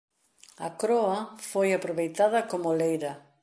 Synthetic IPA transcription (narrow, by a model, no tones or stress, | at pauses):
ɐkɾɔɐfojapɾoβejt̪að̞ɐkomolejɾɐ